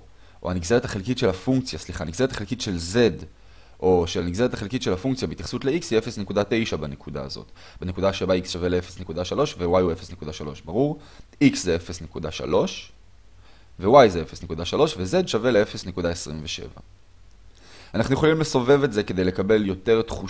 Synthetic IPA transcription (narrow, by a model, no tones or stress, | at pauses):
ʔo̰aniɡzeet̪aχelkitʃe̞lafuŋkt͡sjasliχaniɡze̞et̪aχelkit̪ʃe̞lze̞d | ʔo̞ʃelaniɡze̞ʁet̪aχelkitʃe̞lafuŋk̚t͡sijabeitjaχsut̪le̞iksiefesne̞kud̪ate̞jʃabanekud̪a̰ːzo̞̰t | benekud̪aʃebaiksʃaveleefesne̞kud̪aʃalo̞ʃvewajuefesne̞kud̪aʃalo̞ʃbaʁuʁ | ikszeefesne̞kud̪aʃa̰lo̞ʃ | ve̞wajzeefesnekud̪aʃalo̞ʃve̞ze̞d̪ʃave̞leefe̞sne̞kud̪aesʁimveʃḛva̰ | anaχnujeχolimle̞so̞ve̞vetze̞ke̞d̪e̞jle̞kabe̞ljo̞te̞ʁt̪χu